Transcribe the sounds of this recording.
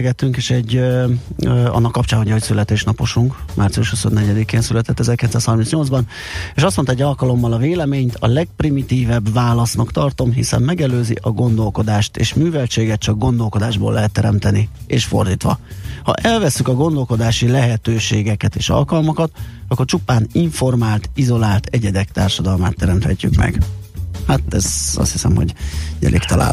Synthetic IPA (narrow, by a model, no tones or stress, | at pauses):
ɡɛt̪ːyŋkeːʃɛɟː | ɒ̰nːɒkːɒpt͡ʃaːnɦoɟɒɦocʲsylɛt̪eːʃnɒpo̞ʃuŋkmʔaːrt̪siuʃhuso̞nːɛɟɛd̪ikeːnsylɛt̪ɛt̪ːɛzɛrkilɛt̪saːshɒrminsɲo̞ld̪zbɒn | eːʃɒst̪mont̪ɛɟːɒlkɒlo̞mːɒlɒveːlɛmeːɲt̪ʰɒ̰lɛɡ̚primit̪iːvɛbvaːlɒsnɒkt̪ɒrt̪o̞mɦisɛ̰mmɛɡɛløːzḭʔɒɡo̞nd̪o̞lko̞d̪aːʃt̪ḛːʃmyːvɛlt͡ʃeːɡɛt̪̚t͡ʃɒɡɡo̞nd̪o̞lko̞d̪aːʒbo̰lːɛɦɛt̪ːɛɾɛmt̪ɛnieːʃfo̞̰rd̪iːt̪ʋɒ̰hɒ̰ʔɛlvɛsːykɒɡo̞nd̪o̞lko̞d̪aːʃilɛɦɛt̪øːʃeːɡɛkɛt̪eːʃɒ̰lkɒlmokɒt̪ɒkːort͡ʃupaːniɱfo̞rmaːlt̪izo̞laːlt̪ɛɟɛd̪ɛkt̪aːrʃɒd̪ɒlmaːt̪ːɛɾɛmt̪hɛcːy̰kmɛ̰ɡ̥hat̪ɛzɒ̰st̪hisɛ̰mho̞̰ɟɟɛ̰lḭkt̪ɒla̰ː